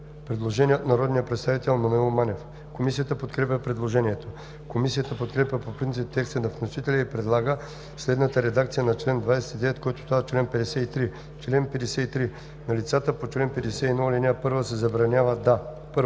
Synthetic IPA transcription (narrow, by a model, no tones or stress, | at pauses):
pɾɛd̪lˠoʒɛniət̪nɐɾɔd̪nijəpɾɛt̪st̪avit̪ɛlˠmɐnʊɛlˠmanɛf | komisiət̪əpot̪kɾɛpʲəpɾɛd̪lˠoʒɛniɛt̪o | komisijət̪əpot̪̚kɾɛpʲjʲəpopɾint̪sip̚t̪ːɛkst̪ənɐfnosit̪ɛlʲɛipɾɛd̪lˠaɡə | slɛd̪nət̪əɾɛd̪akt̪sijənɐt͡ʃlɛnd̪vajsɛ̥t̪id̪ɛvɛt̪kɔjt̪o̥t̪oat͡ʃlɛnpɛd̪ɛsɛit̪ɾi | t͡ʃlɛnpɛd̪ɛsɛit̪ɾi | nɐlit̪sat̪əpot͡ʃlɛnpɛd̪ɛsɛinɔlinʲapɤɾvəsɛzɐbɾɐnʲjavəd̪a | pɤɾ